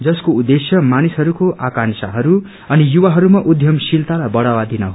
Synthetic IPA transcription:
d͡zʌskoud̪ːesjʌmanisɦʌɾukoakansa̰ɦʌɾu | ʌnijuwaɦʌɾumaʔud̪ʱjʌmsilt̪alajbʌɽawad̪inʌɦo

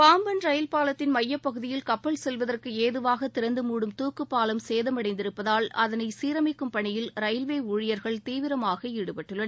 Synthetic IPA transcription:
paːmbɐnɾɐjɪlpaːlɐt̪ːɪnmɐjːɐpːɐɣɯðɪjɪlkɐpːɐɭsɛlʋɐðɐrkɯeːðɯʋaːɣɐt̪ːɪɾɐnd̪ɯmuːɽɯmt̪uːkːɯpːaːlɐmseːðɐmɐɽɐɪnd̪ɪɾɯpːɐðaːlɐðɐnɐɪsiːɾɐmɪkːɯmpɐɳɪjɪlɾɐjɐlʋeːuːɻɪjɐɾɣɐɭt̪iːʋɪɾɐmaːɣɐɪɽɯpɐʈːɯɭːɐn

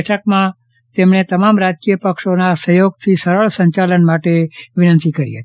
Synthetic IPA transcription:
ʈʰəkmã | t̪emɳet̪əmamɾad͡ʒkijəpəkʃonasəjoɡ̚t̪ʰisəɾəɭsəɲt͡ʃalənmaʈeʋɪnə̃nt̪ikəɾḭɦət̪i

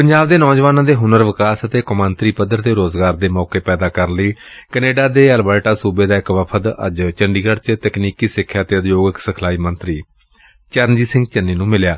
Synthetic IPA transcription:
pəɲd͡ʒaːbd̪eːnɔːd͡ʒʋaːnãːd̪eːɦʊnəɾʋɪkaːsət̪eːkəmə̃nt̪ɾiːpəd̪əɾt̪eːɾoːzɡaːɾd̪eːmɔːkeːpɛːd̪aːkəɾləiːkəneːɖaːd̪eːəlbaːʈaːsuːbeːd̪aːɪkʋəpʰət̪ə̰d͡ʒt͡ʃəɳɖiːɡəɽt͡ʃt̪ɛkniːkiːsɪkʰːjaːt̪eːəd̪joːɡəksəkʰlaːiːmənt̪ɾiː | t͡ʃəɾnd͡ʒiːsɪ̃ŋɡ̚t͡ʃənːiːnũːmɪljaː

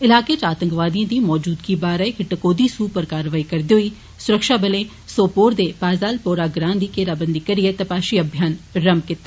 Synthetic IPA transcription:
ɪlaːkeːt͡ʃaːt̪əŋkʋaːd̪ijãːd̪iːmɔːd͡ʒuːd̪kiːbaːɾɛekɪʈəkoːd̪iːsuːpəɾkaːɾʋaːiːkəɾd̪eːɦʊiː | sʊɾəkʃaːbəleː | soːpoːɾd̪eːpaːzaːlpoːɾaːɡɾãːnd̪iːkeːɾaːbənd̪iːkəɾɪeːt̪əpaːʃiːəbʱjaːnɾəmkɪt̪ːa

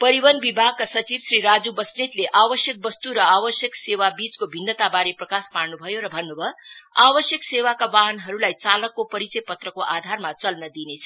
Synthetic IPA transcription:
pʌɾiwʌnbibʱaɡ̚kasʌt͡sibsriɾad͡zubʌsnit̪leʔabʌsjʌk̚bʌst̪uɾʌabʌsjʌksewabit͡skobʱinːʌt̪abaɾeprʌkaspaɽnubʱʌjoɾʌbʱʌnːubʱʌabʌsjʌksewakawaɦnɦʌɾulajt͡salʌkːopʌɾit͡sʌjpʌt̪rʌkoʔad̪ʱarmat͡sʌlnʌd̪inet͡sʰʌ

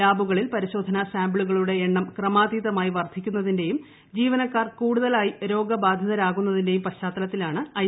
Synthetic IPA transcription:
aːbuɣɐɭilpɐɾiɕo̞ːd̪ʱɐnɐsaːmbɭuɣɐɭuɽe̞ːɳːɐmkrɐmaːd̪iːðɐmaːjiʋɐrd̪ʱikʲːunːɐðinde̞jum | d͡ʑiːʋɐnɐkːaːrkuːɽuðɐlaːjiɾo̞ːɡɐbaːd̪ʱjɐðɐɾaːɣun̪ːɐðinde̞jumpɐɕaːt̪ːɐlɐt̪ːilaːɳɨɐj

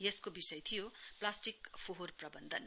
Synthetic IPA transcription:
jeskobisʌjt̪ʰijoplasʈikpʰoɦorprʌbʌnd̪ʱʌn

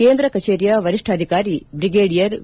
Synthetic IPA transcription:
eːnd̪ɾɐkɐt͡ʃeːɾjɐʋɐɾiʂʈʰaːd̪ʱikaːɾibɾiɡeːɽijɐɾ

